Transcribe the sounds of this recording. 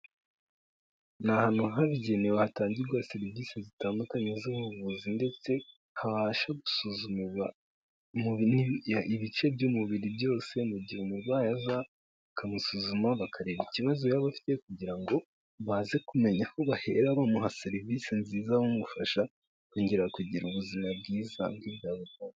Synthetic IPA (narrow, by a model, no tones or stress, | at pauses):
nahanuɦaβiɟenewehataːɲɟiɾɡaseɾiviːsezitaːndukaɲezuβuβuzinde̞t͡se̞ | haβaːʃaɡusuzumiβa | muβiniaiβit͡ʃe̞bjumuβiɾibjo̞ːse̞muɟiumuɾwaːjaza | akamusuzumaβakʰaɾe̞βiciβazo̞jaβafi̥te̞kuɟiɾaŋɡo̞ | βaze̞kume̞ɲaho̞βahe̞̰ɾaβamuɦaseɾivisenziːzamumufaʃa | kuːɲɟeɾakuɟiɾuβuzimabɡiːza̰bɡiβjaːβutana